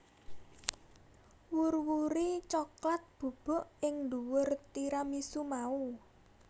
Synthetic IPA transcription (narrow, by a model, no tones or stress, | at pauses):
wurwuɾit͡ʃɔklat̪̚b̥ṳb̥ɔ̤ʔɪŋnd̪uwʊrt̪iɾamisumau